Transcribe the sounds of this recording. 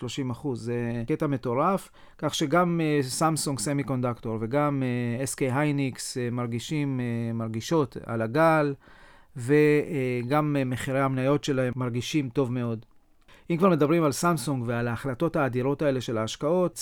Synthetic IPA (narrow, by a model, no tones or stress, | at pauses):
lo̞ʃimaχuzːeke̞tame̞to̞ʁaf | kaχʃe̞ɡamesamsuŋɡsemiko̞ndakto̞ʁve̞ɡameeskejɦajniksemaʁɡiʃimemaʁɡiʃo̞ta̰laɡal | ve̞ɡammeχiʁehamnajo̞tʃe̞lahemːaʁɡiʃimto̞vme̞o̞d | ʔimkvaʁme̞d̪abʁimalsamsuŋɡvealaːχlato̞taːdiʁo̞tae̞le̞ʃe̞laːʃkao̞t